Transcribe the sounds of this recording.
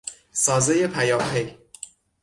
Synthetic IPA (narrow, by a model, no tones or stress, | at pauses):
sɒːzejepʰæjɒːpʰej